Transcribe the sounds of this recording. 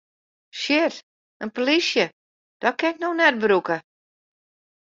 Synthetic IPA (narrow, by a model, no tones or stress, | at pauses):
ʃɪt | ənpolisjə | d̥ɔt̚kɪnɪk̚noxnɛd̚bɾukə